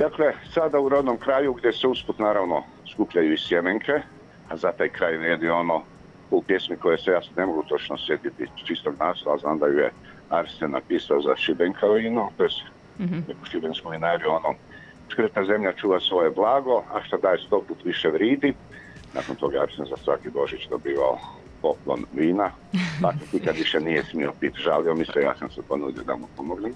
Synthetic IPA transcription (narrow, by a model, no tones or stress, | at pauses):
d̪akle̞sad̪auɾod̪nomkɾaːjuɡd̪jeseusput̪naːɾaʋno | skupʎajuisjemeŋkʰe | azat̪ajkɾaːjʋɾeːd̪io̞no | upjesmiko̞jesejaːsnemoɡut̪o̞t͡ʃnosje̞t̪it̪ḭt͡ʃist̪oɡnaːslaznand̪ajujḛ | aɾsena̰piːsaozaʃibeŋkʰaʋinut̪ojese̥ | nekuʃibenskuʋinaːɾiuono | skɾ̩t̪aze̞mʎat͡ʃuːʋasʋo̞jeblˠaːɡo̞aʃt̪ad̪aːjest̪o̞put̪ʋiʃeʋɾiːd̪i | na̰ːkont̪o̞ːɡaaɾsenzasʋakibo̞ʒit͡ɕd̪o̞biːʋa̰o̰ | po̞plˠo̰nʋiːna | pak̪et̪ikad̪ʋiʃenijesmiopit̪ʒalio̞mislija̰ːsamsepo̞nud̪jod̪a̰mupomoɡnem